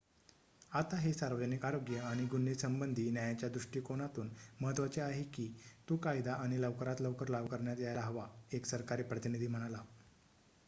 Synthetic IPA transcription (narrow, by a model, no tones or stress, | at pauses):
at̪aɦesaɾʋəd͡ʑənikaɾoɡjəaɽ̃iɡunːisəmbənd̪ʱiːnjajat͡ɕjad̪ɾuʂʈiːkoɽ̃at̪uːnməɦət̪ʋat͡seaɦekiːt̪ukajd̪aaɽ̃iləʋkəɾat̪ləʋkəɾlaʋkəɾɳjat̪jajlaɦəʋaeksəɾkaɾiːpɾət̪inid̪ʱiːm̤əɽ̃ala